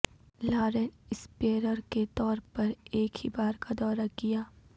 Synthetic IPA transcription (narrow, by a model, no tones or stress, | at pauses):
laːɾɛnɪspeːɾəɾket̪ɔːɾpɐɾeːkhibaːɾkad̪ɔːɾakɪjaː